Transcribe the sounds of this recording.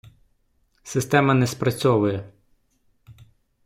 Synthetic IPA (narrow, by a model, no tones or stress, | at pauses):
sɪst̪ɛmɐnɛspɾɐt͡sʲɔʋʊjɛ